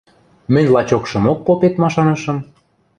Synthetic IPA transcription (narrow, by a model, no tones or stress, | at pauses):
mɘ̆nʲlɑt͡ɕokʃɤ̆mok̚ːopet̪mɑʃɑnɤʃɤ̆m